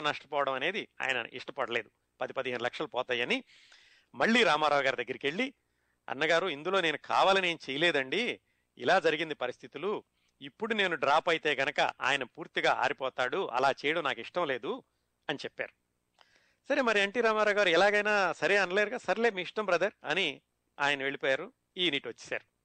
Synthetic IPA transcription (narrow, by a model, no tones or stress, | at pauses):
nɐʂʈɐpɔːʋɐɽɐmɐne̞ːd̪ia̰ːjɐnɐ̰ʔḭʂʈɐpɐɽɐle̞ːd̪u | pɐd̪ipɐd̪iɦeːnlɐkʂɐlɐpɔːt̪aːjɐni | mɐɭːiːɾaːmaːɾaːwɐɡaːɾid̪ɐɡːɐɾikeɭːi | ɐ̰nːɐɡaːɾuind̪ulo̞ːne̞ːnukʰa̰ːʋaːlɐneːnut͡ʃejɐlɛːd̪ɐɳɖi | ḭlaːd͡ʒɐɾiɡind̪ipɐɾist̪ʰit̪ulu | ipːuɽune̞ːnuɖɾaːpɐjit̪eːɡɐnɐkɐ̰ʔa̰ːjɐnɐpuːɾt̪iɡaːa̰ːɾipɔːt̪aːɽuɐ̰laːt͡ʃɛːjɐɽɐmnaːkiʂʈɐmle̞ːd̪u | ɐnit͡ʃɛpːa̰ːɾu | sɐɾemɐɾiɐɳʈiːɾaːmaːɾaːwɡaːɾuɛlaːɡɐjnaːsɐɾeːɐnɐleːɾuɡaːsɐɾleːmiːʂʈɐmbɾɐd̪ɐɾɐ̰ni | a̰ːjɐnɐʋe̞ɭipɔːjaːɾu | iːniʈʋɐt͡ʃːi̥sa̰ːɾu